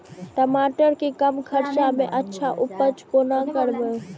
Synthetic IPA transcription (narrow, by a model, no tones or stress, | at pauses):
ʈəmaːʈəɾkekəmkʰəɾt͡ʃamẽʔətːʃʰaʔʊpət͡ʃkonakəɾbə